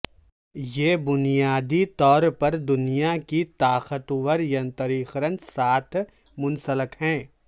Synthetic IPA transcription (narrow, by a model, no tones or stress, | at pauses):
jeːbʊnijaːd̪it̪ɔːɾpɐɾd̪ʊnijakit̪aːqət̪wəɾjɐ̃nt̪əɾiːxɾənsaːt̪ʰ | mʊnsələkɦɛ̃ː